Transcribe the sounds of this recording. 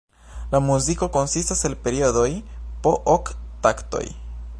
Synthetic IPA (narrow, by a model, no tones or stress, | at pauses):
lamuziko̞ko̞nsistaselpe̞ɾioðojpoʔokt̪akt̪o̰j